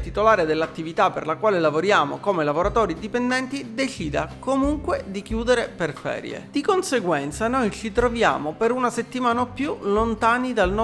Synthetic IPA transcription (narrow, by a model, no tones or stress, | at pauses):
t̪it̪olaːɾed̪elːat̪ːivit̪apːḛrlakwaːlelavoɾjaːmo̰komelavoɾat̪oːɾid̪ipend̪ɛnt̪id̪et͡ʃiːd̪akomuŋkwed̪ikjuːd̪eɾeperfɛ̰ːɾj̰ḛd̪̥ikonseɡwɛnt̪sanojt͡ʃit̪ɾovja̰ːmopeɾunaset̪ːimaːnaopːjulont̪aːnid̪alnɔ